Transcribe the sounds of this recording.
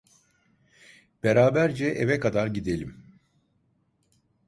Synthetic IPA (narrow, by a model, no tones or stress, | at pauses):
b̥eɾaːbæɾd͡ʒɛʔevɛkad̪aɾɟid̪e̞lʲim